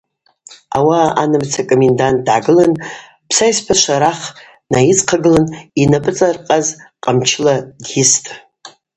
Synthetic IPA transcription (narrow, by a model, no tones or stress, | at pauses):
awaa̰nɨmt͡sʰakʼomendant̚ʼdʕaɡɨlan | pʰsajspʰaʃʷaɾaχ | najit͡sʼqʰaɡɨlaninapʼɨt͡sʼarqʼazqʼamt͡ʃʰlaɡʲɪstʼ